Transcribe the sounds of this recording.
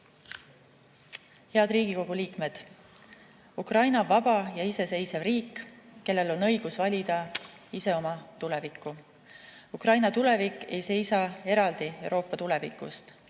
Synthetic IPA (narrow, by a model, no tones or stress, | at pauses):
he̞ɑd̪riːɡ̥iko̞ɡ̥uliːkme̞d̪̥ | ukrɑjnɑvɑb̥ɑjɑise̞se̞jsevriːkːe̞lːe̞lo̞nɤ̞jɡ̥usvɑlʲid̪̥ɑ | ise̞o̞mɑt̪ule̞vikːˑu | ukrɑjnɑt̪ule̞vikːˑe̞jse̞jsɑe̞ɾɑld̪̥iewɾʔo̞ːpːˑɑt̪ule̞vikṵst̪